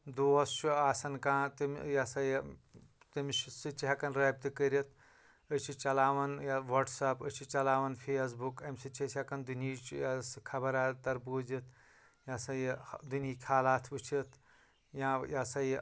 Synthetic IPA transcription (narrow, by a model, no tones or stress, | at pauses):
d̪uːɐst͡ʃʰuaːsɐnkãːt̪imjasɐj | t̪imssɨt͡ʃʰiɦɐkɐnɾɐːb̚t̪ɨkəɾit̪ʰ | ət͡ʃʰit͡ʃɐlaːʋɐnjaʋɐʈsɐpət͡ʃʰit͡ʃɐlaːʋɐnpʰeːs̬bukɐmʲsɨt͡ʃʰesɐkɐnd̪uniːt͡ʃjɐskʰɐbɐɾaːt̪ɐɾbuːd͡ʒit̪̚ʰ | jasɐjd̪uniːkʰaːlaːt̪ʰʋɨt͡ʃʰit̪ʰ | jãjasɐj